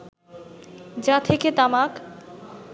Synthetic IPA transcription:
d͡ʑat̪ʰeket̪amak

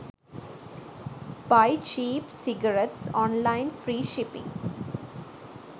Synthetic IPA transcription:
baɪt͡ʃiːpsɪɡəɾeʈsɔ̃ːnlãɪ̃nfɾiːʃɪpɪ̰̃ŋ

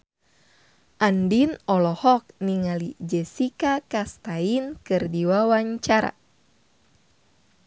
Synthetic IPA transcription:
ʔandinɔlɔhɔk̚niŋalid͡ʒɛsikakast̪ainkɨrdiwawaɲt͡ʃaɾa̰

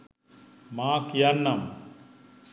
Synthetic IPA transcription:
maːkjɐɾnːɐm

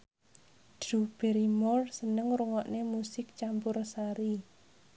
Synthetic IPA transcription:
d̥rub̥eɾimɔrsənəŋɾuŋɔʔnemusɪk̚t͡ʃampʊrsaɾi

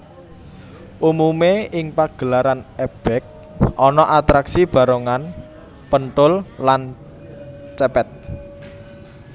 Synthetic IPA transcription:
ʔumumeɪŋpaɡ̥ə̤laɾanɛb̥ɛk̚ | ʔɔnɔʔat̪ɾaksib̥a̤ɾoŋan | pənʈ̪ʊllan | t͡ʃɛpɛt̪̚

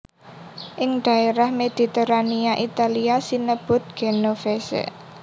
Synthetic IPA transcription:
ʔɪŋɖ̪̥a̤eɾahmed̪̥i̤t̪eɾaniaʔit̪aliasinəb̥ʊ̤t̪̚ɡ̥enofesḛ

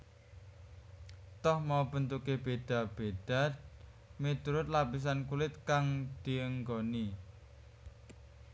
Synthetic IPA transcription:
t̪ɔhmab̥ənt̪ukeb̥ed̪̥a̤b̥ed̪̥a̤t̪̚ | mit̪uɾʊt̪̚lapis̬ankulɪt̪̚kaŋd̪̥i̤əŋɡoni

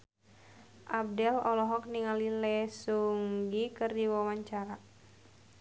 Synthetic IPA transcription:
ʔab̚dɛlɔlɔɦɔk̚niŋalilɛsuŋɡikɨrdiwawaɲt͡ʃaɾa

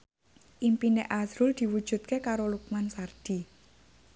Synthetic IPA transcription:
ʔimpineʔasɾuld̪̥i̤wud̥ʒ̥ṳt̪̚kekaɾoluk̚mansard̪̥i̤

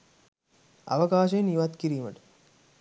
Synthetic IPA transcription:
a̰ʋəkaːʃ̬eniʋat̪kiɾiːməʈə̥

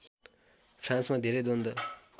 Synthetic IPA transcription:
pʰɾãnsmad̪ʱeɾejd̪ond̪ʌ

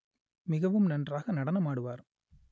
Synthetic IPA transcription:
mɪɣɐʋɯmnɐndraːɣɐnɐɽɐnɐmaːɽɯʋaːɾ

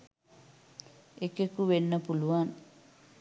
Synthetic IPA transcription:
ekekuʋenːəpuluʋan

